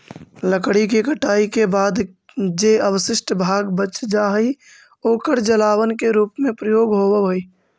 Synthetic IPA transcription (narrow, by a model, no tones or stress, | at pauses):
ləkɽikekəʈaːikebaːd̪ | d͡ʒeəwəsɪʃʈbʱaːɡbət͡ʃd͡ʒaɦəi | oːkəɾd͡ʒəlaːwənkeɾuːpmẽpɾəjoːɡɦoːweɦoi